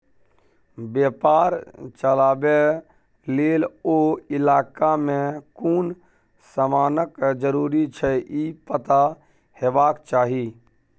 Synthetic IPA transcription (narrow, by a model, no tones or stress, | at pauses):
bjeːpaːɾt͡ʃəlaːbe | leːloɪlaːkamẽkuːn | samaːnəkd͡ʒəɾuːɾit͡ʃʰɛʔiːpət̪a | heːbaːkt͡ʃaːɦiː